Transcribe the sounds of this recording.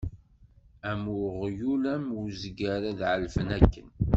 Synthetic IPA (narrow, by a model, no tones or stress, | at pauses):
æmʊʁjulæmzɡæɾæðʕəlfənækːən